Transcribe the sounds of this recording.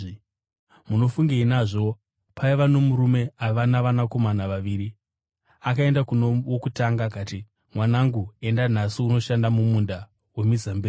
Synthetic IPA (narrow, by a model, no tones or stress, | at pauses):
muno̞fuŋɡeinaʐo̞ | pʰaiʋano̞muɾume̞aʋanaʋanako̞manaʋaʋiːɾi | akae̞ndakunowokutaŋɡakati | mwanaŋɡue̞ndan̤asiuno̞ʃandamumunda | we̞mizambeː